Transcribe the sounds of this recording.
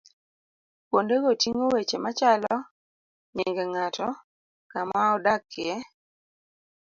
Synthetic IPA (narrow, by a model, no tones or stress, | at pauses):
kwondeɡotiŋowet͡ʃemat͡ʃalɔ | ɲɪŋɡɛŋatʰɔ | kamaɔdakːɪɛ